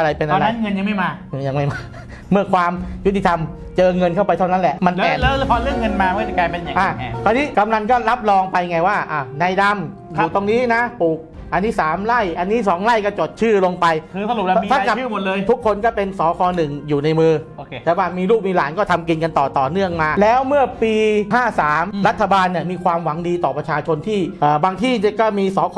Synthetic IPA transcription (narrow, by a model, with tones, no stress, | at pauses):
ʔa˧ɾa˧jpe˧nʔa˧la˦˥nŋɤ˧nja˧ŋma˥˩jmaː˧ja˧ŋma˥˩jmaː˧ | mɯ˥˩ɐkʰwaː˧mju˦˥t̪ʰːi˧t̪ʰa˧m | t͡ɕɤː˧ŋɤ˧nkʰa˥˩wpa˧j̪ʰa˥˩na˦˥nʔlɛ˨˩ʔma˧n˦ɛː˨˩nː˧˦˥pʰɔ˧lɯ˥˩əŋːɤ˧nmaː˧˥˩kaː˧jpe˧nja˨ʔaː˧˩˧ɔː˧niː˦˥ka˧mna˧nkɔː˥˩la˦˥p̚lɔː˧ŋpa˧jŋa˧˩jwaː˥˩ʔaː˧˩na˧jda˧m | ju˨˩t̪o˧ŋniː˦˥na˦˥puː˨˩k̚ | ʔa˧nːiː˦˥saː˩˦mla˥˩jʔa˧nːiː˦˥sɔː˩˦ŋla˥˩jkɔ˧˥˩t͡ɕo˨˩t̪̚t͡ɕʰɯː˥˩lo˧ŋpa˧jʰɯː˧sa˧lu˨˩p̚li˧a˥˧ka˨˩ɯː˥˩mo˨˩t̪̚lɤː˧jt̪ʰu˦˥kʰːo˧nkɔː˥˩pe˧nsɔː˩˦kʰɔː˧nɯ˨˩ŋjuː˨˩na˧jmɯː˧o˧t̪ɛː˨˩˦waː˥˩miː˧luː˥˩p̚miː˧laː˩˦nkɔː˥˩t̪ʰa˧mki˧nka˧nt̪ɔː˨˩t̪ɔː˨˩nɯ˥˩əŋmaː˧lɛː˦˥wmɯ˥˩ɐpiː˧haː˥˩saː˩˦mɾa˦˥t̪ʰːa˧baː˧nːi˧˥˩əmiː˧kʰwaː˧mwa˩˦ŋdiː˧t̪ɔː˨˩pɾa˧t͡ɕʰaː˧t͡ɕʰo˧nt̪ʰiː˥˩ʔəː˨˩baː˧ŋt̪ʰiː˥˩ni˦˥˩kɔː˥˩miː˧sɔː˩˦kʰː